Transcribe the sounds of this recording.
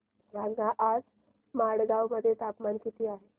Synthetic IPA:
baŋɡãʔad͡z | maɽɡawməd̪ʱːjet̪apmankit̪ʰiːaɦe

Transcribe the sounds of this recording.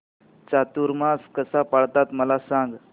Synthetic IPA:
t͡ɕat̪uɾmaskəsapaɭt̪at̪məlasãŋɡ

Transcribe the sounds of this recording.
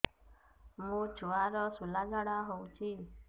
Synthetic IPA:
mũːt͡ʃʰuʋaɾɔsulad͡ʒaɽaɦɔũt͡ʃʰi

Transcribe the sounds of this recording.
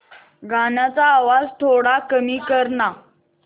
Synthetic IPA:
ɡʱanat͡saːʋad͡zt̪ʰoɽakəmiːkəɾɳa

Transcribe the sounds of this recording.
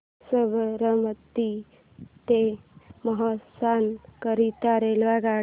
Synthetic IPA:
səʋəɾəmət̪ːi | t̪eməɦɔsankəɾit̪aɾelʋaɡa

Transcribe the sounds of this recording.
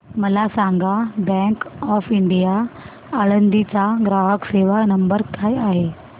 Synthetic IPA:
məlasaŋɡabɛ̃ŋkɔfiɳɖija | əɭənd̪it͡saɡɾaɦəkseʋanəmbəɾkajaɦe

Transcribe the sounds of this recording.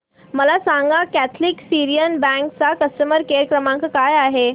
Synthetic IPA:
məlasãŋɡakæt̪ʰliksiɾijənbɛ̃ŋkt͡sakəstəməɾkeɾkɾəmãŋkəkajaɦe

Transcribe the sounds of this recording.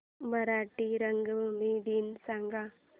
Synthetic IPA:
mɐɾaːʈːiɾɐŋɡɯʋɯmiːɖinsɐŋɡaː

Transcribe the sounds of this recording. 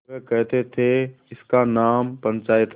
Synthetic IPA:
kɐɦt̪ʰet̪ʰe | ɪskanaːmpɐ̃nt͡ʃaːɪt̪ʰ

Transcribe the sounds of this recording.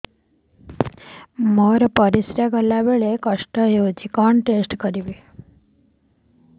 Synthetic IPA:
məɾpəɾisɾjaɡəlaʋeɭekəʂʈəjod͡ʒikəɳʈesʈkəɾiʋi

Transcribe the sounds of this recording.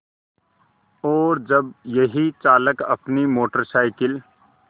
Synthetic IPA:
ɔːɾd͡ʒɐbjɐɦit͡ʃaːləkɐpnimoːʈəɾsaːɪkɪl

